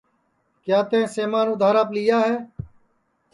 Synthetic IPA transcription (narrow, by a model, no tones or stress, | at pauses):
kjaːt̪ẽːseːmaːnʊd̪ʱaːɾaːpliːjaːɦeː